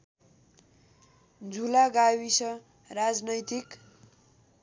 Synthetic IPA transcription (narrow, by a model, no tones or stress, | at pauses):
d͡zʱulaɡawisʌ | rad͡znʌjt̪ik